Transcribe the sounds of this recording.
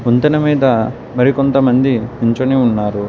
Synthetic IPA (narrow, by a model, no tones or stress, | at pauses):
unt̪ɐnɐmiːd̪ɐ | mɐɾikont̪ɐmɐnd̪imiɲt͡ʃoneːunːaːɾu